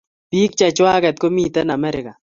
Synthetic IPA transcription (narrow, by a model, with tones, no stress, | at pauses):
pi˦k̚t͡ʃa˨t͡ʃwa˦kɛ˨t̪̚ko˦mi˦t̪ɛ˦na˨mɛ˦ɾɪ˨ka˨